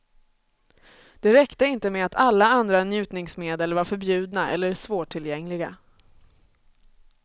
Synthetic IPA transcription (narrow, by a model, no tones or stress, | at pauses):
d̪̥ɛɾɛkt̪əɪnt̪əmɛat̪ʰalːaand̪ɾanjʉ̟ːt̪nɪŋsmeːd̪əlvaɾfœɾbjʉ̟ːd̪naʔɛ̰lːəɾsvoːʈʰːɪljɛŋlɪɡa